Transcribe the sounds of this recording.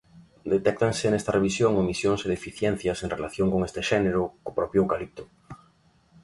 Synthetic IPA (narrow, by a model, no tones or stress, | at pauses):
d̪et̪ɛk̚t̪aŋsɪnɛst̪areβ̞isjoŋomisjoŋseðefiθjɛn̟θjɐseŋrelaθjoŋkoŋest̪eʃɛneɾʊkopɾɔpjookalip̚t̪ʊ̥